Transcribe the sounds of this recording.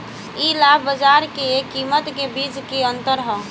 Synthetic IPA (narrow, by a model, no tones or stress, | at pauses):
iːlaːbʱbəd͡ʒaːɾkeekːiːmət̪kebiːt͡ʃkeə̃nt̪əɾɦɔ̃ː